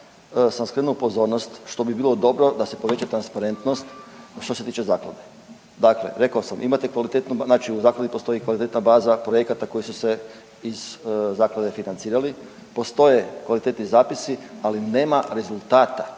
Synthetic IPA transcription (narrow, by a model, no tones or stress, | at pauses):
samskɾenuupo̞zo̞ɾno̞st̪ʃt̪o̞bibiːlo̞d̪o̞bɾo̞d̪ase̞po̞ʋe̞t͡ɕat̪ɾanspaɾe̞nt̪no̞st̪ʃt̪o̞set̪iːt͡ʃe̞zaːkla̰d̪e̞ | d̪aklḛɾe̞kaosamʔḭmat̪ekʋalit̪et̪nub̪naːt͡ʃiuzaːklad̪ipo̞st̪o̞jikʋalit̪e̞t̪nabaːzapɾo̞je̞kat̪ako̞jisuse̞ | iz̥zaːklˠad̪e̞finant̪siːɾali | po̞st̪o̞je̞kʋalit̪e̞t̪nizaːpisialine̞ːmaɾe̞zulˠt̪aːt̪a